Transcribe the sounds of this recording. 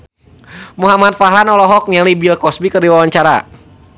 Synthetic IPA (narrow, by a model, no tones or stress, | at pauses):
muɦamat̪̚faɦlanɔlɔɦɔk̚ɲalibilkɔsbikərdiwawaɲt͡ʃaɾa̰